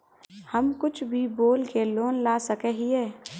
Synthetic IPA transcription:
həmkʊt͡ʃʰbʱiboːlkeloːnlaːsəkɛɦiɛː

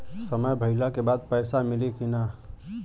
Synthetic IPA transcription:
səməjbʱəɪlakebaːd̪̚pəːsamɪlekina

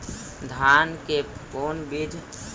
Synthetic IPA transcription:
d̪ʱaːnkepoːnbiːd̪ʱ

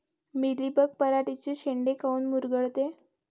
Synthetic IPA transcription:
milibək̚pəɾaʈit͡ɕeɕeɳɖekʰauːnmuɾɡəɭt̪e

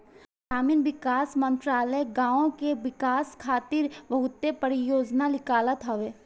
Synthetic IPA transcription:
saːmɪnʋɪkaːsmə̃nt̪ɾaːləɡãːõkeʋɪkaːskʰaːt̪ɪɾbɐɦʊt̪ːepəɾijoːd͡ʒnalɪkaːlət̪ɦɐʋeː

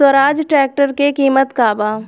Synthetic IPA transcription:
wəɾaːd͡ʒʈɾɛːk̚ʈəɾkekiːmət̪kaːbaː

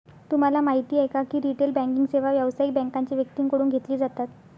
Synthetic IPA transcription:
t̪um̤alamaɦit̪iːekakiːɾiʈelbæ̃ŋkiŋɡseʋaʋjaʋsaik̚bɛ̃ŋkaɲt͡ɕiːʋjək̚t̪iːŋkəɽuːnɡʱet̪liːd͡zat̪at̪

